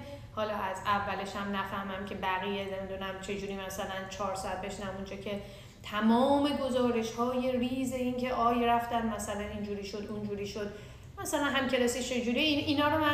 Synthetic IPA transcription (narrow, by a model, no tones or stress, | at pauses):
hɒːlɒːʔæzævːæleʃæmnæfæhmæmcʰe̞bæɣijene̞mid̪unæmt͡ʃʰe̞d͡ʒuːɾiːmæsælænt͡ʃʰɒːɾsɒæt̪̚be̞ʃnæund͡ʒɒːcʰe̞ | t̪ʰæmɒːme̞ɡo̞zɒːɾe̞ʃhɒːje̞riːze̞iːncʰe̞ʔɒːjræft̪ænd̪mæsælænind͡ʒuːɾiːʃod̪und͡ʒuːɾiːʃod̪̥ | mæsælænɦæmcʰe̞lɒːsiʃt͡ʃʰe̞d͡ʒuːɾiiːnɒːɾomæ